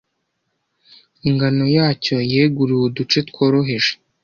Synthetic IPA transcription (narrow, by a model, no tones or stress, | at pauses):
iŋɡano̞jaːco̞jeɡuɾuwodut͡ʃetko̞ːɾo̞ɦe̞ʒe̥